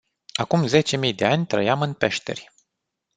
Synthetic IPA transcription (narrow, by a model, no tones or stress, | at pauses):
akumze̞t͡ʃe̞mijd̪e̞anʲt̪ɾə̰jamɨnpe̞ʃt̪e̞̰rʲ